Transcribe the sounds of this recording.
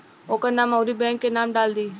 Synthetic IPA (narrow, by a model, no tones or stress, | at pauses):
oːkəɾnãːmɐwɾibɛ̃ːŋkːenaːmɖaːld̪iː